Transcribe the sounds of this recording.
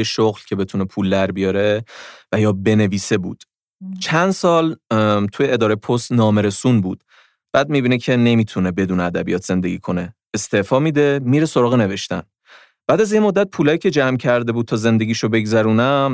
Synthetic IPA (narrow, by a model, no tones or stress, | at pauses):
eʃoɣlcʰe̞be̞t̪ʰunepʰuːld̪æɾbijɒːɾevæjɒːbe̞ne̞viːse̞bṵːd̪̥ | t͡ʃʰænd̪sɒːlt̪ʰujeed̪ɒːɾejepʰost̪nɒːmeɾe̞suːnbṵːd̪̥ | b̥æːd̪̚miːbiːnecʰe̞ne̞mit̪ʰune̞be̞d̪uːneæd̪æ̰bijɒːt̪ʰz̥e̞nd̪e̞ɡḭːkʰo̞ne̞ː | st̪e̞fɒːmiːd̪e̞miːɾeso̞ɾɒːɣene̞ve̞ʃt̪æ̰n | b̥æːd̪æzjemod̪ːæt̪̚pʰuːlɒːjiːcʰʲe̞d͡ʒæmcʰæɾd̪e̞buːd̪̚t̪ʰɒːze̞nd̪e̞ɟʲiːʃobe̞ɡzæɾuːnæm